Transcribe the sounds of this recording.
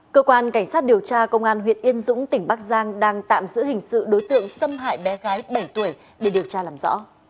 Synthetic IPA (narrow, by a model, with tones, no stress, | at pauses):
kəː˧kwaː˧nka˧˩ŋ̟saː˦˥t̚ɗi˨˩əwt͡ɕaː˧kə˧wŋ͡mʔaː˧nɦwḭ˧˨ənʔi˧ənzʊ̰˧˥ŋ͡mt̪ï˧˩ŋ̟ɓaː˦˥k̚zaː˧ŋɗaː˧ŋt̪a̰ː˧˨mzɨ̰˧˥hï˨˩ŋ̟sɨ̰˧˨ɗo˨˦jt̪ɨ̰˧˨əŋsə˧mɦa̰ː˧˨jɓɛ˨˦ɣaː˨˦jɓə˧˩jt̪u˧˩ə˨j | ɗe˧˩ɗi˨˩əwt͡ɕaː˧laː˨˩mzɔ̰˧˥